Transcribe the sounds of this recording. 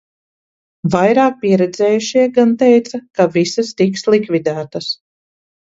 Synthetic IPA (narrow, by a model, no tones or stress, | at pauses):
vajɾɑːk̚piɛɾɛd̪zʲɛːjuʃiɛɡant̪ɛjt̪sakavisast̪ikslˠikvʲid̪æːt̪ɐs